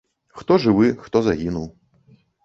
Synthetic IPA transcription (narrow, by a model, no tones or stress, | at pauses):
xt̪ɔʐɨvɨxt̪ɔzaɣʲinuw